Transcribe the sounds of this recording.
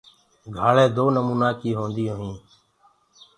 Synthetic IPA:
ɡʱaːɭẽːd̪oːnəmuːnaːkiːɦõːnd̪ijõːɦĩː

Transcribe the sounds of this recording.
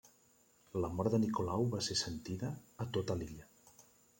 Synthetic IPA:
ləmɔɾd̪ənikolawβasesənt̪iðəːt̪ot̪əliʎə

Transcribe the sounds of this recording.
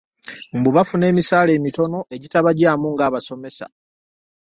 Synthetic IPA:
m̩buβafune̞ːmisaːle̞ːmito̞no̞ʔe̞ɟitaβaɟaːmuŋɡaːβaso̞me̞sa̰

